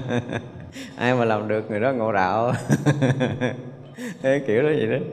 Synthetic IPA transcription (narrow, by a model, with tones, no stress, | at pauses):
ʔaː˧jmaː˨˩laː˨˩mɗɨ˨˩ək̚ŋɨ˨˩əjɗɔ˨˦ŋo̰˧˨ɗa̰ː˧˨w | t̪ʰə˨˦˨ki˧˩əwzɔ˨˦zi˨˩ɗə˨˦j